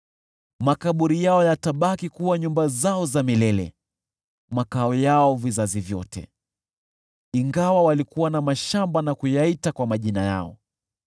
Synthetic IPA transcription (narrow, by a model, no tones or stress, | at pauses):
makaɓuɾijaɔjataɓakikuwaɲumbazaɔzamilɛlɛ̰ | makaɔjaɔvizazivjɔ̰tɛ̰ | iŋɡawawalikuwanamaʃambanakujaitakwamaʄinaja̰ɔ̰